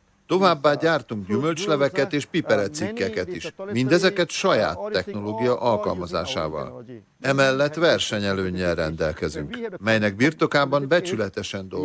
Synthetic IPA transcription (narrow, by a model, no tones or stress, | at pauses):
t̪o̞vaːbːaːɟaːrt̪uŋɡɟymø̞lt͡ʃlɛvɛkɛt̪eːʃpipɛɾɛt̪sikːɛkɛt̪iʃmind̪ɛzɛkɛt̪ʃɒja̰ːt̪ːɛxno̞loːɡijɒʔɒlkɒ̰lmɒza̰ːʃa̰ːvɒ̰l | ɛmɛlːɛt̪ːʋɛrʃɛɲɛløːɲːɛlrɛnd̪ɛlkɛzyŋkmɛjnɛɡ̚birt̪o̞kaːbɒmbɛt͡ʃylɛt̪ɛʃɛnd̪o